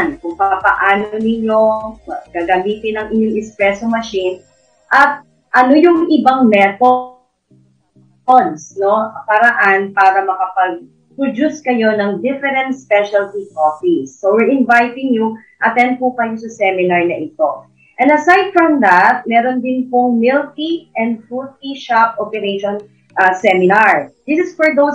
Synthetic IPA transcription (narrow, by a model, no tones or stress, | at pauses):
nkʊŋpapɐʔaːnonɪɲo̞ɡaɡɐmiːt̪ɪnɐŋʔɪɲoŋɪkspɾɛsomɐʃin | ʔɐt̪̚ | ʔɐnojʊŋʔɪbaŋmɛt̪o | onsno̞pɐɾɐʔanpaːɾɐmɐkɐpɐɡ̚ | pɾod͡ʒuskɐjonɐŋd̪ɪfɛɾɛ̃nt̪̚spɛʃɐlt̪ikopisːowɪɹʔɪ̃nvajt̪ɪ̃ŋju | ʔɐt̪ɛ̃nd̪̚pʊkɐjosɐsɛmɪnaɹnɐʔɪt̪o | ʔɛ̃nd̪ɐsajd̪̚fɹɔmd̪at̪̚mɛːɾond̪ɪnpʊŋmɪlt̪iʔɛ̃nd̪̚fut̪̚iʃapʔopɛɾeʃɔn | ʔɐsɛmɪnaɹd̪ɪsɪsfɔɹd̪ows